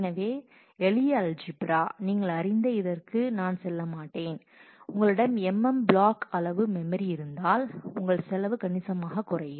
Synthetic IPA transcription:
nɐʋeː | ɛlɪjald͡ʒɪbɾaːniːŋɡɐɭɐɾɪnd̪ɐɪðɐrkɯnaːnsɛlːɐmaːʈːeːn | ʊŋɡɐɭɪɽɐmɛmːɛmbɭaːkɐlɐʋɯmɛmɐɾiɪɾɯnd̪aːlʊŋɡɐɭsɛlɐʋɯkɐɳɪsɐmaːɣɐkʊrɐjɯm

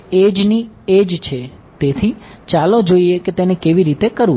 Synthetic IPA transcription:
ed͡ʒnied͡ʒt͡ʃʰe | t̪et̪ʰit͡ʃalod͡ʒoieket̪enekeʋiɾit̪ekəɾũ

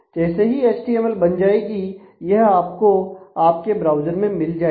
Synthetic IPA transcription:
d͡ʒɛːseɦieːt͡ʃʈiɛmɛlbɐnd͡ʒaːeɡi | jɐɦaːpkoaːp̚kebɾaːʊd͡ʒəɾmẽmɪld͡ʒaːe

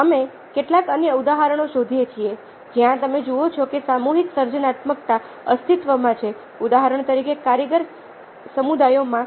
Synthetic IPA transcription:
əme | keʈlakənjəud̪aɦaɾəɽ̃oʃod̪ʱijet͡ʃʰie | d͡ʒjãt̪əmed͡ʒuot͡ʃʰɔkesamuɦiksəɾd͡ʒənat̪məkt̪a | əst̪ʰit̪ʋəmãt͡ʃʰe | ud̪aɦaɾəɳ̃t̪əɾikekaɾjəɡəɾ | səmud̪ajomã

